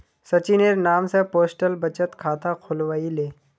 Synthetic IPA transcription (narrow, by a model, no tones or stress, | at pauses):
sɐt͡ʃineɾnaːmsepoːsʈəlbɐt͡ʃət̪kʰaːt̪akʰʊlʋaːileː